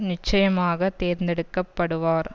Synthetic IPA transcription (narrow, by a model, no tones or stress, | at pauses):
nɪt͡ʃːɐjɐmaːɣɐt̪eːɾnd̪ɛɽɯkːɐpːɐɽɯʋaːɾ